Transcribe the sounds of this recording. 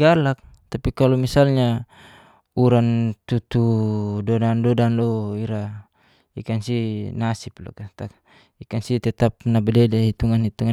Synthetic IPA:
alak̚ | t̪apikalɔmisalɲa | uɾant̪ut̪udɔdandɔdanlɔiɾa | ḭkansinasip̚lɔ̰kat̪ak | ikansit̪ɛt̪ap̚nabadɛdait̪uŋanit̪uŋa

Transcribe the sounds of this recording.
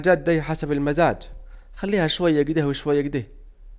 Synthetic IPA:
d͡ʒaːt̪̚d̪ajħasabalmazaːd͡ʒxalːiːhaʃwajːaɡd̪ehwɪʃwajːaɡɪd̪eh

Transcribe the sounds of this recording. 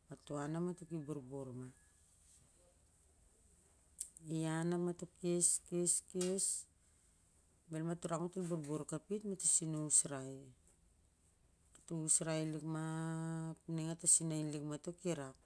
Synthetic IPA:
matuanamatukibuɾbuɾma | ianamatokeskeskes | belmatuɾakmatulbuɾbuɾkapitmatasinuusɾaj | tuusɾajlikma | pniŋatasinajnlikmatokiɾak̚

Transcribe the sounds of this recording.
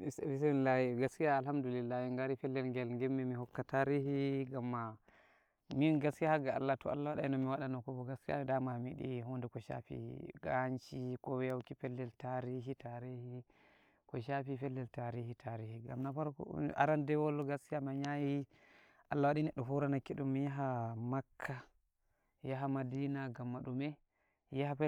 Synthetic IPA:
sfis̬ɛlahiɡaskijaːlhamdulilːahiŋɡaɾifɛlːɛlŋɡɛlŋɡɛmːɛmihɔkːataɾihiɡamːa | minɡaskiahaɡaa̰lːatɔa̰lːawaɗanɔmiwaɗanɔkɔbɔɡaskija̰damamiɗḭɦɔndɛkɔʃa̰fḭɡant͡ʃikɔwɛjawkifɛlːɛltaɾiɦitaɾihi | kɔʃafifɛlːɛltaɾihitʰaɾihiɡa̰mnafaɾa̰ɾandɛwɔlːɔɡaskiamaɲaji | ʔalːawaɗinɛɗːɔɦuɾanakːiɗumːijaɦamakʰːa | jaɦamadinaɡamːaɗumɛ | jahafɛ

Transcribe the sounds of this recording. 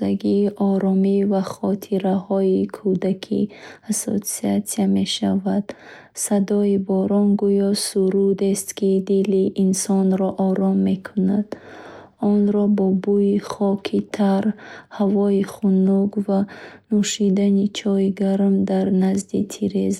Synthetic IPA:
aɡiːʔɔɾɔmivaχɔt̪ʰiɾahɔikʰud̪akʰḭaso̰t̪siat̪siame̞ʃavad̪̥ | sad̪ɔibɔɾɔnɡujɔsuɾud̪est̪kʰid̪iliʔːnsɔnɾɔʔɔɾɔmːe̞kʰunad̪̥ | ɔnɾɔbɔbuiχɔkʰit̪ʰaɾhavɔiχunuɡvanuʃid̪anit͡ʃʰɔjɡaɾmd̪aɾnazd̪it̪ʰiɾez

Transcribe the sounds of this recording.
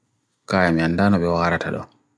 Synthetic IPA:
kaːjamiandaːnɔɓɛwaɾatʰaɗɔ̰

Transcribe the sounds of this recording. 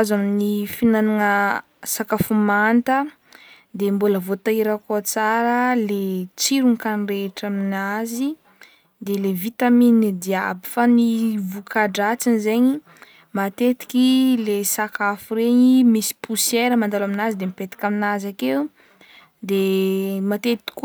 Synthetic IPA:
azaminifinanaŋə | sakafumant̪ə | d̪embuləvot̪aiɾakot͡saɾəlet͡siɾunkanreʈ͡ʂaminazi | d̪elevit̪aminid̪iabi̥fanivukaɖ͡ʐat͡sinizeɲi | mat̪et̪i̥kilesakafuɾeɲimisi̥pʰusjeɾəmand̪alaminazid̪emipet̪i̥kʲaminazakew | d̪emat̪et̪i̥k

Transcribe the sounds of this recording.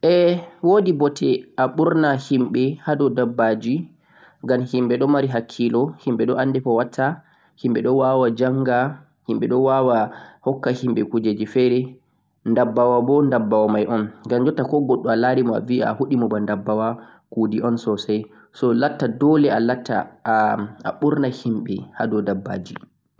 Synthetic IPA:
ʔɛwoːdibɔtʰɛʔaɓuɾnahimɓɛhaɗɔdabːad͡ʒi | ɡamhimɓɛɗɔmaɾiɦakʰːilɔhimɓɛɗɔʔandɛpɔwatʰːa | himɓɛɗɔwawad͡ʒaŋɡa | himɓɛɗɔwawahɔkːahimɓɛkud͡ʒed͡ʒifɛɾɛ | ndabːawabɔndabːawamajʔɔnɡamd͡ʒɔtːakɔɡɔɗːɔalaɾimɔa̰via̰huɗimɔbandabːawa | kudiɔnsɔsaj | sɔlatːadɔlɛalatːa̰ | a̰ɓuɾnahimɓɛhadɔdabːa̰ːd͡ʒi

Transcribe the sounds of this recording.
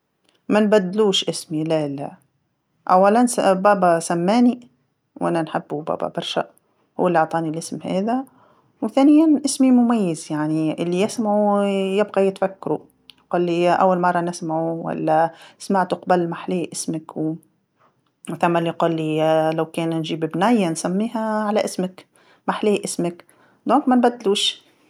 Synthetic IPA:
mænbæd̪ːluːʃʔɪsmilælæ̰ | ʔæwːalænsbæːbasæmːæːni | wʔæ̰nænħɪbːubæ̰ːbæ̰bɑɾˤʃa̰ | hʊ̰ːalːiɑʕt̪ˤɑːnilʔɪsmhæ̰ːðæ | wθæːnɪjːanʔɪsmimʊmæjːɪzjaʕniʔɪlːijɪsmaʕujɪbɣajɪt̪fakːaɾu | jquːlːiʔa̰wːalmɑrˤːɑnɪsmaʕuwa̰lːæsmaʕt̪ʊqbalmaħliːʔɪsmɪkw | wθamːalːiquːlːilawkeːnnʒiːbɪbnæjːansamːiːɦaʕalaʔɪsmɪk | maħliːʔɪsmak | d̪õːŋkmænbæd̪ːluːʃ

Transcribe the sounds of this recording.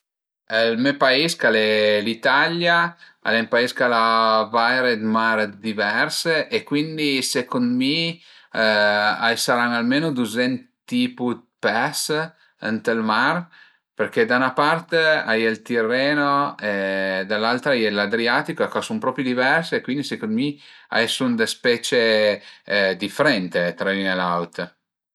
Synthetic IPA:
lmɛpaiskalɛlit̪alja | a̰lempaiskalavajɾed̪maɾd̪ivɛrseʔekːwind̪isekond̪mi | a̰jsaɾaŋalmeːnod̪uzɛnt̪iput̪ | pɛs | ant̪elmar | perked̪aunapart̪ea̰jelt̪irːɛːnoed̪alːalt̪ɾaajelad̪ɾiat̪ikoekɔsumpɾɔːpɾjod̪ivɛrseːkwind̪isekond̪mia̰jsund̪espɛt͡ʃe | d̪ifeɾɛnt̪et̪ɾainelawt̪

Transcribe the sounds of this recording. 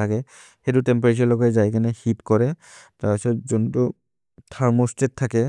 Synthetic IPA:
aɡɛ | xɛdʊtɛmpaɹet͡ʃɔɹlɔɡɔɛzajkanɛhipkɔɹɛ | taɹpisɔtzɔntʊ | tʰaɹmɔstetʰːakɛ

